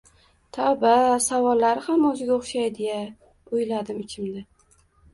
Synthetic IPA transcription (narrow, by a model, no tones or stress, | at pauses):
t̪ʰabasavɒlːaɾɪhamɵzɪɡʲaoχʃajd̪eja | ʊjlad̪ɪmɪt͡ʃʲʰɪmnɪ